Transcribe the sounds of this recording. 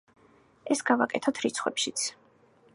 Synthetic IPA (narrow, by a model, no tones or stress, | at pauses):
ɛsɡavakʼɛt̪ʰɔt̪ʰɾit̪sʰχwɛ̰pʃit̪sʰ